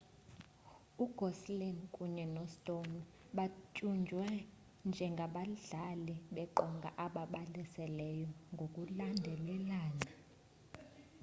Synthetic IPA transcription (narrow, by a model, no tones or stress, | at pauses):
uɡ̥ʱɔslɛndkʼuɲɛnɔstʼon | ɓat͡ʃʼund͡ʒʱwɛ | nd͡ʒʱɛŋɡʱaɓaɮaliɓɛǃɔŋɡʱa̰ʔaɓaɓalisɛlɛjɔŋɡʱokʼulandʱɛlɛlaːna